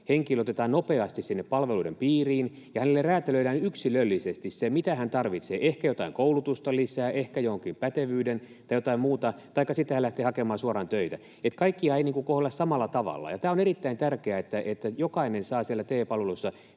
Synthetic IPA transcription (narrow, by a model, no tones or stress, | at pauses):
heŋkilot̪et̪ɑːnnopeɑst̪issinːeppɑlʋeluidempiːriːn | jɑhænelːerræːt̪eløilæːnyksilølːisest̪issemit̪æhænt̪ɑrʋit̪sḛːʔehkæjot̪ɑiŋkoulut̪ust̪ɑlisæːʔehkæjohoŋkimpæt̪eʋyːdent̪ɑijot̪ɑimmuːt̪ɑt̪ɑikːɑsit̪ːehælæht̪eːhɑkemɑːsuɑrɑnt̪øit̪æ | et̪kɑikːiɑiniːŋkukohelːɑssɑmɑlːɑt̪ɑʋɑ̰lːɑ̰jɑt̪æːoneɾit̪ːæint̪ærkeæet̪ːæʔet̪ːæjokɑinensɑːsiælːæt̪eːpɑlʋelusːɑ